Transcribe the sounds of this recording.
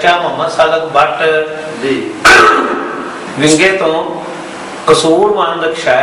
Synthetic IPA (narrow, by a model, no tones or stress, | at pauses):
t͡ʃaːməməsaːləkbaːʈ | d̪iː | ʋɪ̃ŋɡẽːt̪õː | kəsoːɾʋãːd̪əkʃaː